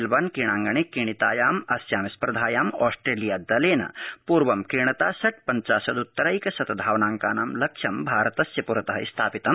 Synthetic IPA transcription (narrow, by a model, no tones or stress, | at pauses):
lbɐnkiɽ̃ãːŋɡɐɳ̃ekiɳ̃it̪aːjaːmɐsjaːmispɾɐd̪ʱaːjaːmɔːsʈɾeːlijaːd̪ɐleːnɐ̰puːɾʋɐmkiɳɐt̪aːsɐʈ̚ʰpɐɲt͡ʃaːsɐd̪ut̪ːɐɾɐjkɐsɐt̪ɐd̪ʱaːʋnaːŋkaːnaːmlɐkʂʰɐmbʱaːɾɐt̪ɐsjɐpuɾɐt̪ɐɦɐist̪ʰaːpit̪ɐm